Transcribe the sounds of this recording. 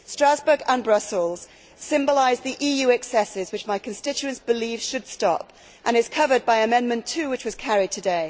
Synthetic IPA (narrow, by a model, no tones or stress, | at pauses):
stɹ̥azbə˞ɡə̃nbɹʌsl̩ˠz̥ | sɪ̃mbəlaɪzðiʔijʉɛksɛsɪzwɨt͡ʃmaɪkʰɨ̃nstɪt͡ʃʉɨ̃nsb̥ɨlifʃɨd̥stɑ̰p | ʔə̃ñɨz̥kʰʌvəd̚baɪɨmɛ̃nmɨ̃ntʰʉwɨt͡ʃwʌz̥kʰæɹɪd̚tʰɨdeɪ